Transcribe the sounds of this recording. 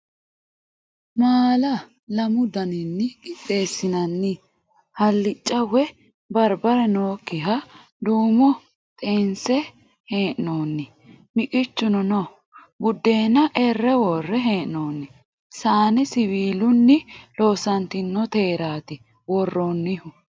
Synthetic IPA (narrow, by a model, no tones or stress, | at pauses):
maːlɐ | lɐmʊd̪ɐnɪnːɪkʼɪtʼːe̞ːsːɪnɐnːɪ | hɐlːɪt͡ʃʼːɐwɛ | bɐɾbɐɾɛnoːkːɪɦɐ | d̪uːmɔ | t̪ʼeːnsɛ | heːʔnoːnːɪ | mɪkʼɪt͡ʃːʊnɔn | bʊd̪ːe̞ːnːɐʔɛrːɛwɔrːɛɦeːʔnoːnːɪ | saːnɛsɪwiːlʊnːɪlo̞ːsɐnt̪ɪnːɔt̪e̞ːɾaːt̪ɪ | wɔrːonːɪhʊ